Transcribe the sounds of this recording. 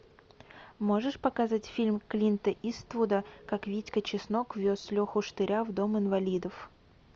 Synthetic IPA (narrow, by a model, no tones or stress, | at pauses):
mo̞ʐɨʂpɐkazatʲfʲilʲmʲklʲint̪əʔist̪vud̪əkakvʲitʲkət͡ɕɪsnokvʲo̞slʲoxʊʂt̪ɨɾʲavd̪o̞mɨnvɐlʲid̪əf